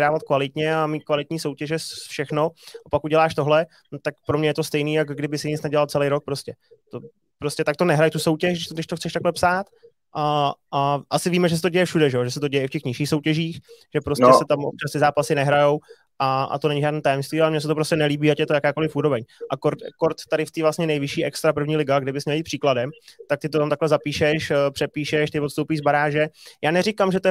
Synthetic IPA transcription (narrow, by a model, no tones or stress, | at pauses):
ɾaːvat̪kvalɪt̪ɲɛamiːt̪̚kvalɪt̪ɲiːso̞wcɛʒɛsfʃɛxno̞ʔapakuɟɛlaːʃt̪o̞ɦlɛ | nt̪akpɾo̞mɲɛjɛt̪o̞st̪ɛjniːjakɡdɪbɪsɪɲɪt͡snɛɟɛlalt͡sɛlɛjɾok̚pɾoscɛt̪o | pɾoscɛt̪akt̪o̞nɛɦɾajt̪uso̞wcɛʃdɪʃt̪dɪʃt̪oxtt͡sɛʃt̪aklɛpsaːt̪ | ʔaaʔasɪviːmɛʒɛs̬ɛt̪oɟɛjɛfʃudɛʒɛjoʒɛsɛt̪oɟɛjɛɪfcɛxɲɪʃiːxso̞wcɛʒiːxʒ̥ɛpɾosɛsɛt̪amʔo̰pt͡ʃast̪ɪzaːpasɪnɛɦɾajow | ʔaʔa̰t̪onɛɲɪʒaːdniːt̪ajɛmst̪viːʔalɛmɲɛs̬ɛt̪opɾoscɛnɛliːbiːacɛt̪ojakaːkolɪfuːɾo̞bɛɲʔakoɾtkoɾt̪ːaɾɪft̪iːvlasɲɛnɛjvɪʃiːʔɛkst̪ɾapr̩vɲiːlɪɡaɡdɪbɪsmɲɛljiːt̪pr̥iːkladɛmt̪ak̚t̪ɪt̪ot̪amt̪aklɛzapiːʃɛʃpr̥ɛpiːʃɛʃt̪ɪvot̪st̪owpiːʒzbaɾaːʒɛjaːnɛɾɪkamʒɛt̪oɛ